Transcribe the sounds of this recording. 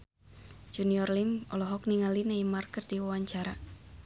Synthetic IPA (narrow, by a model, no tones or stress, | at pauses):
d͡ʒuniɔrlimɔlɔɦɔk̚niŋalinaimarkərdiwawaɲt͡ʃaɾa